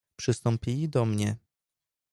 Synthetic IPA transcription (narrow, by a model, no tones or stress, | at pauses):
pʂɘst̪ɔ̃mpʲilʲid̪ɔmɲɛ